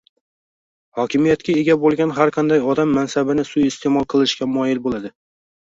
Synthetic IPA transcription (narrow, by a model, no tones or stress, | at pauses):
hɒkʲʰɪmijat̪kʲaeɡʲabolˠɡʲanɦaɾqʰɑnd̪ajɒd̪amːansabɪnɪsʊjɪst̪ʰemɒlˠqʰɨlˠɪʃkʲamʊjɪlbolˠad̪ɪ